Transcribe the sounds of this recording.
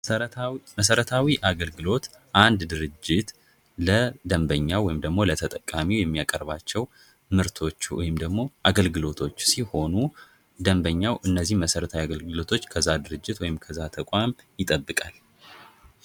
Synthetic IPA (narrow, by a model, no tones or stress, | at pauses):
məs̬əɾət̪ʰawiʔaɡəlɡɨlo̞t̪ | ʔand̪d̪ɨɾɨd͡ʒːɪt̪ | ləd̪əmbəɲːawɔjɪmd̪əɡmo̞lət̪ʰət̪ʼəkʼːamijɛmːijakʼəɾbat͡ʃːɛw | mɨɾt̪ʰo̞t͡ʃːwɔ̰jɪmd̪əɡmo̞ʔaɡəlɡɨlo̞t̪ʰo̞t͡ʃːsiho̞nu | d̪əmbəɲːawʔɨnːəzːihməsəɾət̪ʰawiaɡəlɡɨlo̞t̪ʰo̞t͡ʃːkʰəzːad̪ɨɾɨd͡ʒːɪt̪wɔjɪmkʰəzat̪ʰəkʷʼamjɪt̪ʼəbːɨkʼal